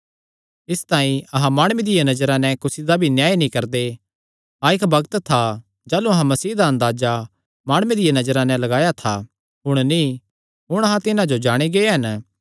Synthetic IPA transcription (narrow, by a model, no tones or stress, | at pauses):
ɪst̪aːĩɐɦãmaːɽ̃ʊwed̪ɪjanɐd͡ʒəɾãnɛ̃kʊsid̪abʱinjaːjinĩkɐɾd̪e | aɪkbɐɡət̪t̪ʰa | d͡ʒaːluɐɦãmɐsiːd̪aɐ̃nd̪aːd͡ʒa | maːɽ̃ʊwẽd̪ɪjanɐd͡ʒəɾãnɛ̃lɐɡaːjat̪ʰa | ɦʊɽ̃nĩ | ɦʊɽ̃ɐɦãt̪ɪnãd͡ʒod͡ʒaːɽ̃eɡeeɦɐn